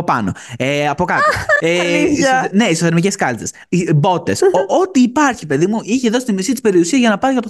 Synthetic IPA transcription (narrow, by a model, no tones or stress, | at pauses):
opɐ̰no̞̰eɐpo̞kɐt̪o | ne̞isoθeɾmiceskɐlt̪es | ibo̞t̪e̞sot̪iːpɐɾçipe̞ðimuʔiçe̞ðo̞si̥t̪imisit̪i̥spe̞ɾiusiɐzʝɐnɐpɐɾikɐt̪o